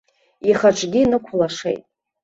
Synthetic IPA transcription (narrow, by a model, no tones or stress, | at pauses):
iχaʈ͡ʂʷʰʼɡʲinɨkʷʰlaʂḛjtʼ